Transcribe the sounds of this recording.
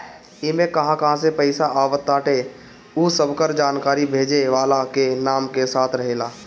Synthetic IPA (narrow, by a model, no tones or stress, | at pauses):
emẽkɐɦãkɐɦãsepəɪsaʔaːʋət̪ːaːʈe | usəbkəɾd͡ʒaːnkaːɾibʱeːd͡ʒeʋaːlakenaːmkesaːt̪ʰɾəɦeːlaː